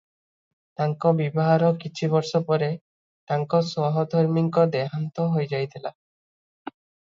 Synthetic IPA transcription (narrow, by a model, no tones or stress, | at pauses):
t̪aŋkɔbibɔɦaɾɔkit͡ʃʰiβɔɾʃɔpɔɾe | t̪aŋkɔswɔɦɔd̪ʱɔɾmiŋkɔd̪eɦant̪ɔɦojd͡ʒajt̪ʰila